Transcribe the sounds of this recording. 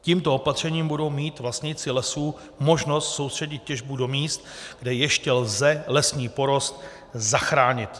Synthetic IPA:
ciːmt̪o̞opat̪r̝̥ɛɲiːmbudo̞wmiːt̪vlast̪ɲɪt͡sɪlɛsuː | mo̞ʒno̞st̪so̞wst̪r̝̥ɛɟɪt̪̚cɛʒbudo̞miːst̪ɡdɛjɛʃcɛlzɛlɛsɲiːpo̞ɾo̞st̪̚ | zaxɾaːɲɪt̪

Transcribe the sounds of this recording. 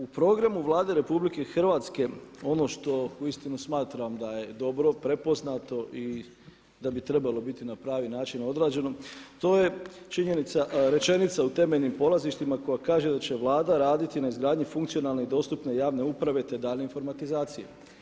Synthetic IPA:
upɾo̞ːɡɾamuʋlˠaːd̪e̞ɾe̞publike̞xr̩ʋaːt̪ske̞o̞no̞ʃt̪o̞uist̪inusmaːt̪ɾamd̪aje̞d̪o̞bɾo̞pɾe̞po̞znat̪o̞ʔi | d̪abit̪ɾe̞balˠo̞bit̪inapɾaːʋinaːt͡ʃino̞d̪ɾaːd͡ʒe̞no̞t̪o̞ːje̞t͡ʃiɲe̞nit̪saɾe̞t͡ʃe̞nit̪saut̪e̞me̞ʎnimpo̞lˠaziʃt̪imako̞jakaːʒe̞d̪at͡ɕe̞ʋlˠaːd̪aɾaːd̪it̪inaizɡɾaːd̪ɲufuŋkt̪sijo̞naːlˠneid̪o̞ːst̪upne̞jaːʋne̞upɾaʋe̞t̪e̞d̪aːʎneinfo̞ɾmat̪izaːt̪sijḛ

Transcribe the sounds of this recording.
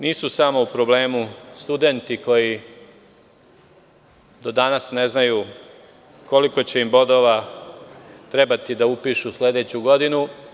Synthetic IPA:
niːsusamo̞upɾo̞ble̞ːmust̪ud̪e̞nt̪iko̞ji | d̪o̞d̪anasne̞znaju | ko̞liko̞t͡ɕe̞imbo̞d̪o̞ʋa | t̪ɾe̞bat̪id̪aupiʃusle̞d̪e̞t͡ɕuɡo̞d̪inu

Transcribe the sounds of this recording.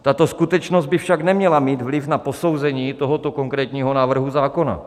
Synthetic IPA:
t̪at̪o̞skut̪ɛt͡ʃnozd̪̚bɪfʃaɡnɛmɲɛlamiːd̪vlɪfnapo̞sowzɛɲiːt̪o̞ɦot̪okoŋkɾɛːt̪ɲiːɦonaːvr̩ɦuzaːko̞na̰

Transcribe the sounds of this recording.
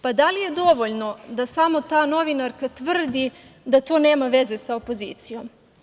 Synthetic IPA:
pad̪alijed̪o̞ʋoʎno̞d̪asamo̞t̪aːno̞ʋinaɾkat̪ʋr̩d̪id̪at̪o̞ːne̞ːmaʋe̞ze̞saopo̞zḭːt̪sijo̞m

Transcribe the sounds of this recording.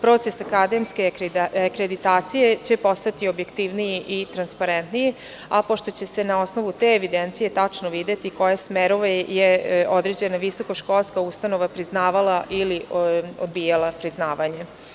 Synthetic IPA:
pɾo̞ːt̪sesakad̪e̞mskeakɾed̪it̪aːt̪sije̞t͡ɕe̞po̞st̪at̪iobje̞kt̪iʋnijiʔit̪ɾanspaɾent̪niji | apoʃt̪o̞t͡ɕe̞se̞nao̞sno̞ʋut̪eːʋid̪ent̪sije̞t̪at͡ʂnoʋid̪et̪iko̞jasmeɾoʋejeo̞d̪ɾe̞d͡ʑe̞naʋiso̞koʃko̞lˠskaust̪ano̞ʋapɾiznaːʋalaʔiliod̪bijalapɾiznaːʋaɲe

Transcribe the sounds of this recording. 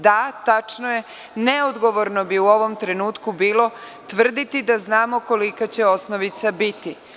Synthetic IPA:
d̪at̪at͡ʃnoje̞ | neod̪ɡo̞ʋo̞ɾno̞biuo̞ʋo̞mt̪ɾe̞nuːt̪kubiːlo̞t̪ʋr̩d̪it̪id̪aznaːmo̞ko̞likat͡ɕe̞o̞sno̞ʋit̪sabit̪i

